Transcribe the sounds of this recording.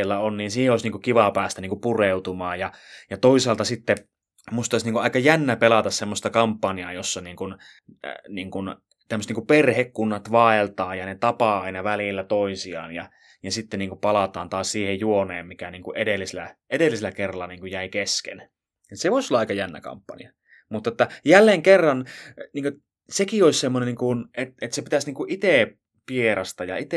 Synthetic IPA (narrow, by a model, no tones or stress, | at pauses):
lːæonniːnsiːheoˑsniːŋkukiʋɑpæːst̪æniːŋkupureut̪umɑːjjɑjɑt̪oisɑːlt̪ɑsit̪ːe | must̪ɑsniːŋkuʔɑˑikɑjænːæpelɑt̪ɑssemːost̪ɑkɑmpːɑniɑjosːɑniːŋkun | niːŋkun | t̪æmːøst̪niŋkuperhekkunːɑt̪ʋɑelt̪ɑːjɑnet̪ɑpɑɑinɑʋælilːæt̪oisiɑ̰ːnjɑ | jɑsit̪ːeniːŋkupɑlɑt̪ɑːnt̪ɑːssiːhejjuoneːmmikæniːŋkuʔedelːiselæ̰edelːiselːækerːɑlːɑniːŋkujæikeskḛn | et̪seʋoisolːɑɑikɑjænːæ̰kɑ̰mpːɑ̰nḭɑ | mut̪ːɑet̪ːæjælːeːŋkerːɑnniːŋkø | sekioissemːoneniːŋkunʔet̪et̪sepit̪æsniːŋkuʔit̪eˑ | pieɾɑst̪ɑjɑ̰it̪e